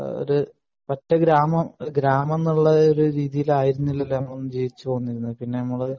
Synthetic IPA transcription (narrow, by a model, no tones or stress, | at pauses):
o̰ɾu | pɐtːɐɡɾaːmɐmɡɾaːmɐnːuɭːɐoɾuɾiːðijilaːjiɾunːilːɐlːaːmonːumd͡ʑeːjit͡ɕːɨt̪o̞ːnːiɾunːɐðɨpinːe̞nɐmːɐɭɨ